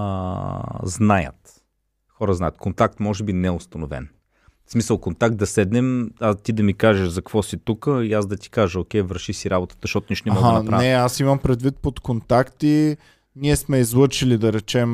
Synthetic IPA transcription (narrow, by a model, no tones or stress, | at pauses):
ə̰ | znajə̰t̪ | xɔɾəznajət̪̚kont̪ak̚t̪mɔʒɛbinɛʊst̪ɐnovɛ̰n | smisəlˠkont̪ak̚t̪d̪ɐsɛd̪nɛmat̪id̪ɐmikaʒeʃzɐkvɔsit̪ukəiasd̪ɐt̪i̥kaʒəokʲɛjvəɾʃisiɾabot̪ə̥t̪zəʃt̪ɔt̪ʊniʃt̪nɛmɔɡad̪pɾnanɛasimɐmpɾɛd̪vit̪̚pot̪kont̪akt̪i | niɛsmɛizlˠɤt͡ʃilid̪ɐɾɛt͡ʃɛm